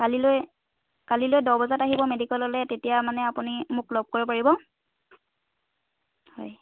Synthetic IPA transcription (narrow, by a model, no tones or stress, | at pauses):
kaliloj | kalilojdɔbɔzataɦibɔmedikɔlɔlɛtetijamanɛapunimʊklɔb̚koɹɔp̬aɹibɔ | hɔ̰j